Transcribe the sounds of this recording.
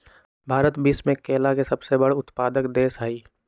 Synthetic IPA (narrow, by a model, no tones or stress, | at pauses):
bʱaːɾət̪bismẽkeːlakesɐbsebəɽʊt̪paːd̪əkd̪eːsɦaiː